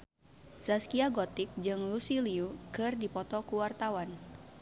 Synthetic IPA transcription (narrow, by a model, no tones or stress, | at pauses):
z̥askiaɡɔt̪ik̚d͡ʒɨŋlusiliukɨrdipɔt̪ɔkuwart̪awan